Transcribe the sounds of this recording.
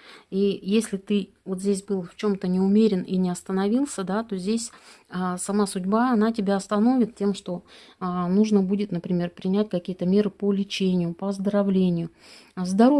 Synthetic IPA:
ijesʲlʲɪt̪ɨ | vot̪zʲdʲes̬ʲbɨlˠft͡ɕo̞mt̪ənʲɪʊmʲeɾʲɪninʲɪɐst̪ənɐvʲilˠsʲəd̪at̪o̞zʲdʲesʲ | əsɐmasʊdʲbaɐnatʲɪbʲaɐst̪ɐno̞vʲɪt̪tʲemʂt̪o̞ | ənuʐnəbudʲɪt̪nəpɾʲɪmʲe̞rpɾʲɪnʲæt̚ʲkɐkʲijət̪əmʲe̞ɾɨpəlʲɪt͡ɕenʲɪjʊpəəzd̪əɾɐvlʲenʲɪjʊ | zd̪ɐɾo

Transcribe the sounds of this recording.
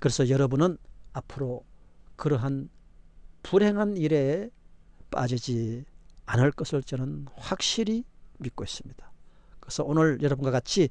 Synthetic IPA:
kɯɾe̞sʰʌjʌɾʌbunɯnapʰɯɾokɯɾʌɦan | puɾɦe̞ŋɦaniɾe̞ | p͈a̰d͡ʑid͡ʑi | anɯɭk͈ʌsʰɯɭt͡ɕʌnɯnhwak̚ɕ͈iɾimit̚k͈ois͈ɯmɲid̥ḁ | kɯɾesʰʌonɯɭjʌɾʌbunɡwakat͡ɕʰi

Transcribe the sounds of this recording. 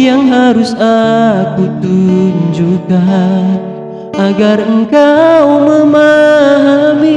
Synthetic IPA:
jaŋɦaɾusakut̪uɲd͡ʒuɡa | ʔaɡarəŋkawməmaɦami

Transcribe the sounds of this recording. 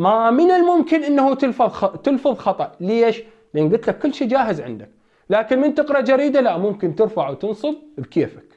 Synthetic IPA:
mamɪnɪlmʊmkɪnʔɪnːahut̪ɪlfɑðˤxɑt̪ɪlfɨðˤxɑt̪ˤɑʔleːʃ | lʔeːnɡʊt̪lakːʊlːʃiːd͡ʒaːɦɪzʕɪ̰nd̪ak | laːkɪnmɪnt̪ɪqɾˤɑʔd͡ʒaɾiːd̪alaʔmʊmkɪnt̪ɪɾfaʕwt̪ɨnsˤɨðˤbkeːfḁk

